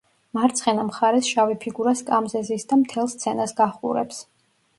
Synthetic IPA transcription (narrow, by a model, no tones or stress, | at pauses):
maɾt̪sʰχɛnamχaɾɛsʃavipʰiɡuɾaskʼamzɛzisd̪amt̪ʰɛlˠst̪sʰɛnasɡaχṵɾɛps